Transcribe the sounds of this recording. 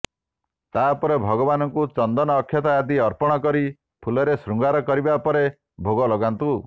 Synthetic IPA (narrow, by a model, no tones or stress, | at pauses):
t̪apɔɾebʱɔɡɔbanɔŋkut͡ʃɔnd̪ɔnɔːkʰjɔt̪aːd̪iɔɾpɔɽ̃ɔkɔɾi | pʰulɔɾesɾuŋɡaɾɔkɔɾibapɔɾe | bʱoɡɔlɔɡant̪u